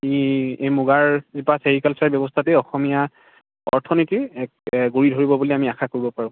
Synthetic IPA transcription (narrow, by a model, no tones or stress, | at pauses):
iemuɡaɹzibaseɹikalsaɹbjɔbɔstʰatɛɔxɔmija | ɔ̰ɹtʰɔnitiɛkɡoɹidʱoɹibɔbuliamiaxʰakoɹibɔpaɹʊ̃